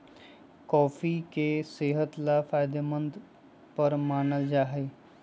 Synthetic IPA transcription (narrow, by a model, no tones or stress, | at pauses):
kɔːfʰikeseːɦət̪lafʰaːɪd̪əmə̃nd̪ | pəɾmaːnəld͡ʒaːɦe